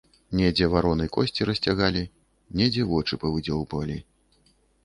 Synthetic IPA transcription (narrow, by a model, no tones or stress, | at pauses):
nʲɛd͡zʲɛvaɾɔnɨjkɔsʲt͡sʲiɾɐsʲt͡sʲaɣalʲi | nʲɛd͡zʲɛvɔt͡ʂɨpɐvɨd͡zʲɔwpɐlʲi